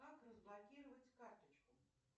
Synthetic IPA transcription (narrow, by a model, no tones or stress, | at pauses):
akrəzblˠakʲiɾəvət͡sʲkart̪ət͡ʃkʊ